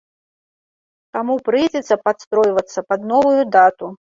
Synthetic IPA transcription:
t̪amupɾɨjd͡zʲɛt̪sːɐpat̪st̪ɾɔjvɐt̪sːɐpad̪nɔvujud̪at̪u

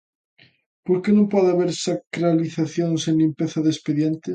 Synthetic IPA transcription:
poɾkenõmpɔðaβeɾsakɾaliθaθjoŋsenlimpeθaðespeðjent̪e

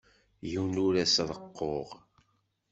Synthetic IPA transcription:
jiwnuɾæsðˤəqːoʁ

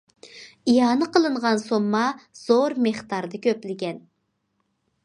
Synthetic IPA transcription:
ijɑːnɨəqəlˠɨɴʁɑnsomːɑz̥oɾmeχt̪ɑɾd̪ɨkʲʰøplɪɡʲɛn

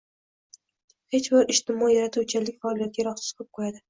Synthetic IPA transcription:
he̞t͡ʃbɪɾɪʃt̪ɪmɒjaɾat̪ʰut͡ʃʰɪlɪkʲfaɒlijat̪̚ɡʲaɾɒχsɪ̥z̥qʰɨp̚qʰojad̪ɪ

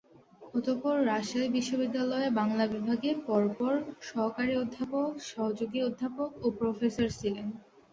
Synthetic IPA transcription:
ɔt̪opɔɾːaʃaebiʃːobid̪ːalɔebaŋlabibʱaɡepɔɾpɔɾʃɔɦkaɾiod̪ʱːapokʃɔɦod͡ʑoɡiod̪ʱːapokopɾofesaɾt͡ɕʰilen

